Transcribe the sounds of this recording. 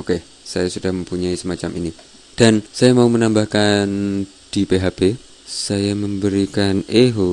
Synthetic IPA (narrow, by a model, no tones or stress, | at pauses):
oke | sajasudahməmpuɲaisəmat͡ʃamini | d̥ansajamaumənambahkan | d̥ipeɦape | sajaməmbəɾikaneɦo